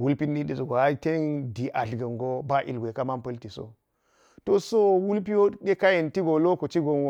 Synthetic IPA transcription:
wu˦lpi˦n˦ɗi˦ɗi˨zɡo˨a˦te˦ndi˨ʔa˨ɬɡɐ˨ŋɡo˦ba˦ʔḭ˨lɡʷe˨ka˦ma˦mpɐ˦lti˨so̰˨ | to˦so˦wu˦lp̬i˦wo˦ɗe˦ka˦je˨nti˦ɡo˨lo˦ko˨t͡ʃi˦ɡo˦nwo˦

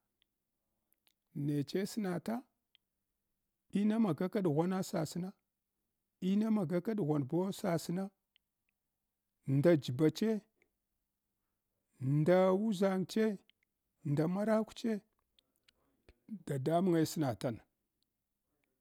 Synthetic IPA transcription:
ne˨t͡ʃe˦si˦na˨ta˦ | i˦na˦ma˨ɡa˦ka˦ɗɣʷa˦na˦sa˨si˦na˦ | i˦na˦ma˨ɡa˦ka˦ɗɣa˨nbo˦sa˨sna˦ | nda˨d͡ʒi˨ba˨t͡ʃe˦ | nda˨wu˦za˨ŋt͡ʃe˦ | nda˨ma˦ɾa˦kʷu̥˦t͡ʃe˦ | da˨da˦mu˦ŋa˦si˦na˨ta˦˨n

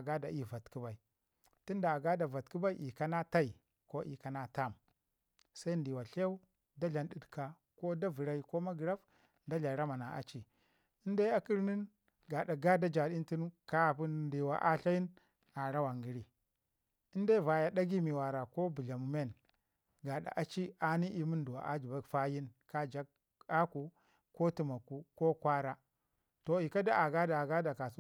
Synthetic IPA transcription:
a˨ɡa˦da˨i˦˨va˨tki˦ba˨i˨ | ti˦nda˨a˨ɡa˦da˨va˨tki˦ba˦i˦ʔi˨ka˦na˦ta˦i˨ | ko˦ʔḭ˨ka˨na˦ta˦˨m | sa˦i˦ndi˨wa˨ɬe˦u˦ | da˦ɮa˨nɗi˦˨dka˨ | ko˦da˦vi˨ɾa˦i˦ko˦ma˦ɡi˨ɾa˦f | n˦da˦ɮa˨ɾa˦ma˨na˨ʔa̰˨t͡ʃi˨ | i˦nda˦a˦ki˦ɾni˦n | ɡa˨da˨ɡa˦da˦d͡ʒa˨ɗi˦nti˦nka˦˨pu˦n˨ndi˨wa̰˨ʔa˦ɬa˦ji˦n | a˨ɾa˦wa˨ŋɡi˨ɾi˨ | i˦nda˦va˨ja˨da˦ɡi˦mi˨wa˨ɾa˨ko˦bu˨ɮa˨mu˨me˦˨n | ɡa˨ɗa̰˨ʔa˨t͡ʃi˦a˨ni˦i˨mu˦ndu˨wa̰˨ʔa˦d͡ʒi˨ba˦˨fa˦ji˦nka˦d͡ʒa˦ɡ | a˦ku˨ | ko˦ti˨ma˨ku˦ko˦kʷa˦ɾa˦ | to˨i˨ka˦da˦a˨ɡa˦da˨a˨ɡa˦da˨ka˨s

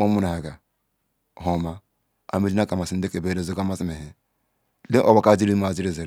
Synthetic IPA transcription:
o˦mu˦na˨a˨ɡa˨ | ho˨ma˦ | a̰˨me˦di˦na˦ka˨ma˨si˦de˦ke˨be˦ɾe˦zo˦ka˦ma˦si˦me˨ɦe˦ | le˦ʔo˦ba˨ka˦˨d͡ʒi˦ɾi˦ma˨zi˦ɾe˨ze˨ɾ

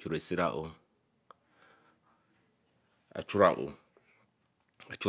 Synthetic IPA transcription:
kʰu˨ɾe˨si˦ɾa˨ʔo˦ | a̰˨t͡ʃʰʊ˦ɾa̰˨ʔo̰˨ | a˨t͡ʃʰʊ˦

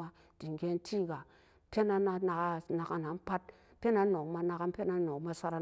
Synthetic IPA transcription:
a˧ | d̥i˨ŋ˨ɡʲe˧n˦tʰi˦˨ɡa˨˦ | pʲe˦na˧na˧na˧ka˧na˧ka˧na˨˦m˦pa˦t̚ | pʲe˦na˨˦no˨kma˧na˧ka˧m˦pʲe˦na˦no˨kma˧sʷa˧ɾa˧

